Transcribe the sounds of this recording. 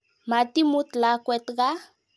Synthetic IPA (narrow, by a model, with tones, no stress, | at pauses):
ma˨t̪i˦mu˦t̪la˨˦kwe˧t̪ɡa˦